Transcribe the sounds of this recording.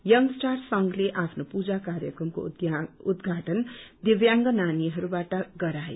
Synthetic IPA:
jʌŋɡsʈarsʌŋɡleʔapʰnopud͡zakarjʌkrʌmko̰ud̪ɡʱaʈʌnd̪ebjaŋɡʌnaniɦʌɾubaʈʌɡʌɾae

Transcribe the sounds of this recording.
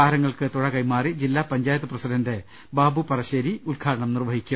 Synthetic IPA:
aːɾɐŋːɐɭkɨt̪uɻɐkɐjmaːrid͡ʑilːaːpɐɲd͡ʑaːjɐt̪ːɐprɐsidɐnde̞ | baːbupɐrɐɕeːɾiulkʰaːɾɐɳɐmnirʋɐɦikʲːu

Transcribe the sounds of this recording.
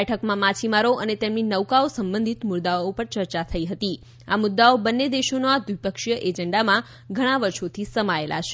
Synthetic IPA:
ɛʈʰəkmãmat͡ʃʰimaɾoʔənet̪emninəʋkaosəmbə̃nd̪ʱit̪mʊɾd̪aoopəɾt͡ʃəɾt͡ʃat̪ʰəiɦət̪i | a̰mʊd̪ːaobənːed̪eʃonoad̪ʋipəkʃjəʔed͡ʒəɳɖamã | ɡʱəɽ̃aʋəɾʃot̪ʰisəmaelʔa̰ʃe

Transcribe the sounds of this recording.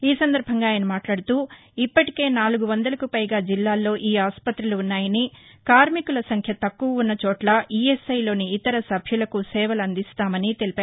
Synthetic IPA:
iːsɐnd̪ɐɾbʱɐŋɡaːjnɐmaːʈlaːɽut̪uː | ipːɐʈike̞ːnaːluɡuʋɐnd̪ɐlɐkupɐjɡaːd͡ʒilːaːlːo̞ːʔiːaːspɐt̪ɾiluːnːaːjɐnikaːɾmikulɐsɐŋkʰjɐt̪ɐkːuʋɐunːɐt͡ʃoːʈlɐʔiːesɐjlo̞ːniːt̪ɐɾɐsɐbʱjulɐkusɛːʋɐlɐnd̪ist̪aːmɐnit̪e̞lipaː

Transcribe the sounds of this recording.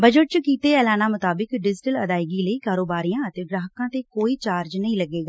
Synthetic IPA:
bəd͡ʒəʈ̚t͡ʃəkiːt̪eːɛːlaːnaːmʊt̪aːbɪkɖɪd͡ʒɪʈələd̪aːɪɡiːləiːkaːɾoːbaːɾijãːət̪eːɡɾaːɦəkãːt̪eːkoːiːt͡ʃaːɾd͡ʒnəĩːləɡːeːɡaː

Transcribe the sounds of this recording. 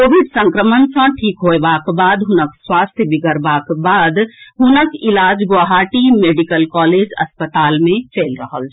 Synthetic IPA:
koːbiɖsə̃ŋkɾəmənsə̃ʈʰiːkɦoebakbaːd̪ɦʊnəkswast̪ʰjəbiɡəɾbaːkbaːd̪ɦunəkilaːd͡ʒɡoɦaːʈimeːɖikəlkɔːleːd͡ʒə̰spət̪aːlmẽt͡ʃelɾəɦəl

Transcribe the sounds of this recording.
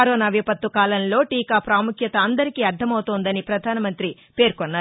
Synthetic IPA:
ɐɾoːnaːʋjɐpɐt̪ʋukaːlɐnlo̞ːʈiːkaːpɾaːmukʰjɐt̪ɐːnd̪ɐɾikiːɐɾɖ̪ʱːɐmɐwt̪oːnd̪ɐnipɾɐd̪ʱaːnɐmɐnt̪ɾi | pe̞ːɾkɔnːaː

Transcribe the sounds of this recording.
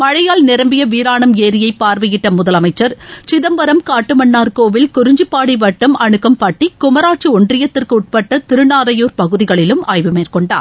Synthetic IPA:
mɐɻɐjaːlnɪɾɐmbɪjɐʋiːɾaːɳɐmeːɾɪjɐɪpːaːɾʋɐjɪʈːɐmʊðɐlɐmɐɪt͡ʃːɐɾt͡ʃɪðɐmbɐɾɐmkaːʈːɯmɐɳːaːɾkoːʋɪlkʊɾɪɲd͡ʒɯpːaːɽiʋɐʈːɐmɐɳɯkːɐmpaːʈːikʊmɐɾaːʈ̚t͡ʃiɔɳɖrɪjɐt̪ːɪrkɯʊʈ̚pɐʈːɐt̪ɪɾɯnaːɾɐjoːɾpɐɣɯðɪɣɐɭɪlɯmʔaːjʋɯmeːrkɔɳɖa̰ːɾ

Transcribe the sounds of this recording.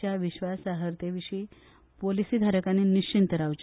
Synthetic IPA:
jaʋiɕʋasaɦəɾt̪eʋiɕiː | polisiːd̪ʱaɾəkaniniɕt͡ɕint̪əɾawt͡ɕ

